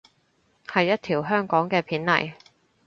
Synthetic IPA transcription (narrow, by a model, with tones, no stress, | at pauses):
hɐ˨jːɐ˥t̚t̪ʰiː˨˩wɦœː˥ŋkɔː˨˥ŋkɛː˧pʰiː˨˥nlɐ̰˨˩j